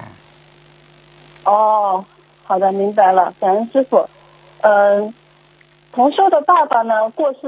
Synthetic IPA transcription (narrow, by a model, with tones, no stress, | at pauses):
ɔ˥˩ | xɑ˨˩ʊd̪ə˦˥mi˧˥ŋpa˧ɪlə˧ka˨˩ə˧˥ʂɻ̩˥˧fu˨˩ | ə˥˧˩ | t̪ʰʊ˧˥ŋʂo˥ʊd̪ə˨pɑ˥˩pa˨˩nə˩kwɔ˥˧ʂ̩˥˩